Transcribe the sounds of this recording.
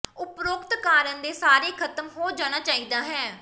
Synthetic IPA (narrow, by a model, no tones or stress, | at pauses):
ʊpɾʊkt̪kaːɾənd̪eːsaːɾeːkʰət̪əmɦoːd͡ʒaːɽ̃aːt͡ʃaːiːd̪aːɦɛː